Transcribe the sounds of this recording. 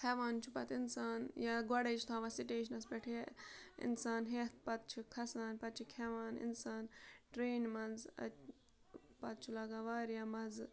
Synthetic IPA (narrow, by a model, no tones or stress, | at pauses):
hʰɛʋaːnt͡ʃʰupɐt̪insaːnjaɡɔɽejt͡ʃʰt̪ʰaːʋɐsiʈeːʃ̬ɐnɐs̬beʈʰeḭnsaːnɦeːt̪̚pɐt̪̚t͡ʃʰikʰɐsaːnpɐt̪̚t͡ʃʰikʲʰɛʋaːnḭnsaːnʈɾeːnmɐnzɐ̰ | pɐt̪̚t͡ʃʰulɐɡaʋaːɾjamɐz